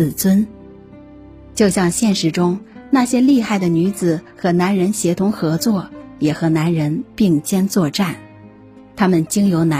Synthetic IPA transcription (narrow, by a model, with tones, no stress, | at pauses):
t͡swə˥n | t͡ɕjo˥˧ʊɕjɑ˥˧ŋɕjɛ˥˩nʂɻ̩˧˥ʈ͡ʂʊ˥ŋna˥˩ɕjɛ˥li˥˧xa˥˩ɪd̪ə˩ny˧˥t͡sɹ̩˨˩xɤ˧˥na˧˥nɻə˧˥nɕjɛ˧˥t̪ʰʊ˧˥ŋxɤ˧˥t͡swɔ˥˩jɛ˨˩xɤ˧˥na˧˥nɻə˧˥npi˥˩ŋt͡ɕjɛ˥nt͡swɔ˥˧ʈ͡ʂa˥˩n | t̪ʰa˥mə˨nt͡ɕi˥ŋjo˧˥ʊna˧